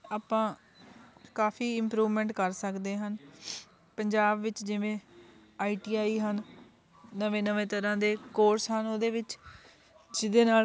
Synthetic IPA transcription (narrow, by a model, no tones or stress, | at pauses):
aːpãː | kaːfʰiːɪmpɾuːʋmɛ̃ːɳʈkəɾsəkd̪eːɦən | pəɲd͡ʒaːbʋɪt͡ʃd͡ʒɪʋẽː | aːiːʈiːaːiːɦən | nəʋẽːnəʋẽːt̪əɾãːd̪eːkoːɾsɦənoːd̪eːʋɪt͡ʃ | d͡ʒɪd̪eːnaː